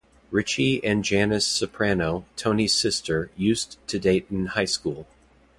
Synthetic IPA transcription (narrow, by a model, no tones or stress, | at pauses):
ɹɪt͡ʃiɨ̃nd͡ʒænɨsɨpʰɹ̥ænoʊtʰõʊ̃niz̥sɪstʰə˞jʉz̥tʰɨdeɪɾn̩haɪskulˠ